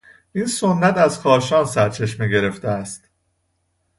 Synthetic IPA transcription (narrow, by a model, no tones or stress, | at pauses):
ʔiːnsonːæt̪æzxɒːɾʃɒːnsæɾt͡ʃʰe̞ʃmeɟe̞ɾe̞ft̪eæst̪